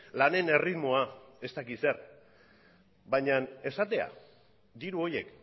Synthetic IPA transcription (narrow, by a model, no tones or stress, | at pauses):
lane̞ne̞rit̪mo̞ae̞st̪akise̞ɾ | bajɲane̞sat̪e̞a̰ | d̪iɾuo̞je̞̰k